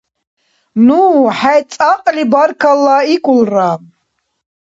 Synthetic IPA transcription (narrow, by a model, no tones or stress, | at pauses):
nuħat͡ssʼaqʼlibaɾkʰalːaikʼulra